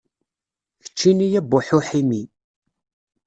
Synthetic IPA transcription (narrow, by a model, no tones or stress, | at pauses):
θə̥t͡ʃːinijæbʊħuħimi